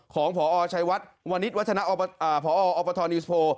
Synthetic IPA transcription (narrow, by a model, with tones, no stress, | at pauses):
kʰɔː˩˦ŋpʰɔː˩˦ʔɔː˧t͡ɕʰa˧jwa˦˥t̪̚wa˧nːi˦˥t̪̚wa˦˥a˧na˦˥ʔɔ˧ʔaː˨˩pʰɔː˩˦ʔɔː˧ʔɔː˧˥pːaː˧t̪ʰɔː˧nːi˦˥spʰoː˧